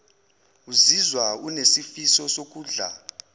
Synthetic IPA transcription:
uzizwaunesifisɔsok̬ʼuːɮa̰

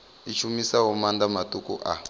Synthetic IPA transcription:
it͡ʃʰumisaɦɔmand̪amatukṵʔa̰

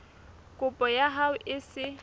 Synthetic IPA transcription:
kʼʊpʼɔjaɦaʊʔɪsɪ

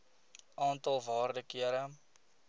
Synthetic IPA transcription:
ʔɑːntɐlˠvɑːrdəkiəɾə

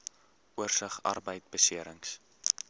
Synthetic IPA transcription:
uərsəχɐ̰rbəjtbəsiəɾəŋs

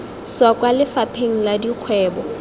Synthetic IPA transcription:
swakʼwalɪfapʰeŋ̩ladiq͡χʰwɛːbɔ

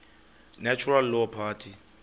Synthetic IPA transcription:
nɛt͡ʃʰuralːɔpʰatʰi

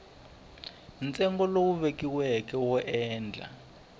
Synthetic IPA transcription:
nt͡sʼɛŋɡɔlowuβekiwɛkɛwɔʔɛːnd͡ɮʱa̰

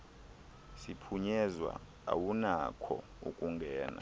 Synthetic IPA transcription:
sipʰuɲɛzwa̰ | a̰wunakʰɔ | ṵkʼuŋɡʱɛːna̰

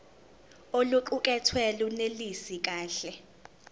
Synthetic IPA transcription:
oluǃuk̬ʼɛtʰwɛlunelisik̬ʼaːɬɛ

